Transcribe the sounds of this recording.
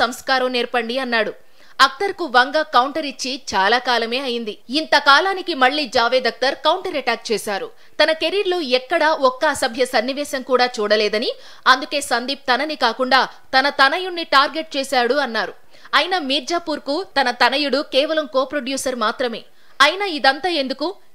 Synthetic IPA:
sɐmskaːɾɐmnɛːɾpɐɳɖiɐnːaːɽu | ɐk̚t̪ɐɾkuʋɐŋɡaːkɐwɳʈɐɾit͡ʃːit͡ʃaːlaːkaːlɐme̞ːɐjind̪iint̪ɐkaːlaːnikimɐɭːiːd͡ʒaːʋeːd̪ɐk̚t̪ɐɾkɐwɳʈɐɾɐʈaːk̚t͡ʃɛːʃaːɾu | t̪ɐnɐkeɾiɾluɛkːɐɽɐɔkːɐːsɐbʱjɐsɐnːiʋɛːʃɐmkuːɽaːt͡ʃuːɽɐlɛːd̪ɐni | ɐnd̪uke̞ːsɐnd̪ip̚t̪ɐnɐnikaːkuɳɖaː | t̪ɐnɐt̪ɐnɐjuɳːiʈaːɾɡe̞ʈ̚t͡ʃɛːsaːɽuɐnːaːɾu | ɐjnɐmiːɾd͡ʒaːpuːɾkut̪ɐnɐt̪ɐnɐjuɽukɛːʋɐlɐmkoːpɾoɖjuːsɐɾmaːt̪ɾɐme̞̰ː | ɐjnaːid̪ɐnt̪aːe̞nd̪uku

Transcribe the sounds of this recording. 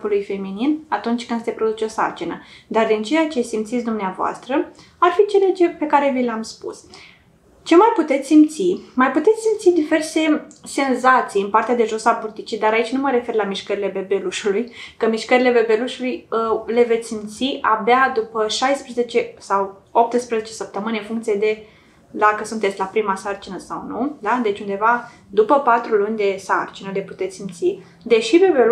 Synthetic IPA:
pulujfe̞mininat̪unt͡ʃʲkɨnse̞pɾo̞d̪ut͡ʃeosa̰rt͡ʃinəd̪ard̪int͡ʃe̞jat͡ʃe̞simt̪sit̪sʲd̪umneavoa̰st̪ɾə | arfit͡ʃe̞let͡ʃe̞pe̞kaɾe̞vilamspṵs | t͡ʃe̞majput̪e̞t̪sʲsimpt̪simajput̪e̞t̪sʲsimt̪sid̪ive̞rse̞se̞nzat̪sijɨnpart̪ead̪e̞ʒo̞saburt̪it͡ʃid̪aɾait͡ʃʲnuməɾe̞fe̞rlamiʃkəɾile̞be̞be̞luʃulujkəmiʃkəɾile̞bebe̞luʃulujle̞vet̪sʲsimt̪siʔabead̪upəʃajspɾeze̞t͡ʃe̞sawo̞p̚t̪ɨspɾeze̞t͡ʃe̞səp̚t̪əmɨneɨnfuŋkt̪sijed̪e̞ | d̪akəsunt̪et̪sʲlapɾimasart͡ʃinəsawnud̪ad̪e̞t͡ʃund̪e̞va | d̪upəpat̪ɾulunʲd̪e̞sart͡ʃinəle̞put̪e̞t̪ssimt̪si | d̪e̞ʃibe̞be

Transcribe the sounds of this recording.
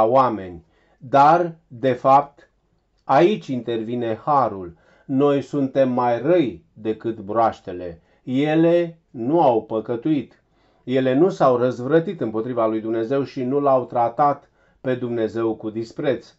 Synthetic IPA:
oame̞nʲ | d̪ard̪e̞fap̚t̪ | ait͡ʃʲint̪e̞rvine̞haɾul | no̞jsunt̪e̞mːajrəjd̪e̞kɨt̪bɾoaʃt̪e̞le̞ | je̞le̞ | nuawpəkət̪uit̪ | je̞le̞nusawrəzvɾət̪it̪ɨmpo̞t̪ɾivalujd̪umne̞ze̞wʃinulawt̪ɾat̪at̪ | pe̞d̪umne̞ze̞wkud̪ispɾe̞t̪s

